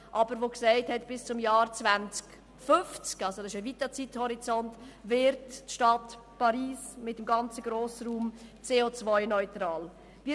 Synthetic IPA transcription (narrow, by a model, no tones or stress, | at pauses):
ʔɑbəɾvoksɛɪthɛtb̥ɪst͡sʊmjɑːɾt͡svænt͡sk | fʏft͡skɑlsodɑsɪʃavitat͡sithɔɾit͡sɔntvɪɾtʃtɑt | pɑɾiːsmɪtːəmɡɑnt͡səɡɾoːsəɾuːmt͡seːot͡svɔʏnɔʏtɾɑːl | vi